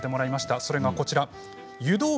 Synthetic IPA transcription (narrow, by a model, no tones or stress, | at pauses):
t̪ːe̞mo̞ɾaimaɕi̥t̪aso̞ɾe̞ɡako̞t͡ɕiɾa | jɯ̟d̪o̞ː